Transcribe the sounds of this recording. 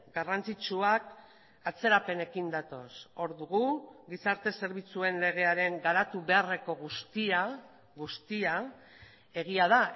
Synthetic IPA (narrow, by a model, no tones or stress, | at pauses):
ɡarant͡sit͡ʃuak | at͡se̞ɾape̞ne̞kind̪at̪o̞so̞ɾðuɣuɡisaɾt̪e̞se̞ɾβit͡sue̞nle̞ɣ̞e̞aɾe̞ŋɡaɾat̪uβe̞are̞ko̞ɣust̪ia | ɣust̪ia | e̞ɣ̞iað̞a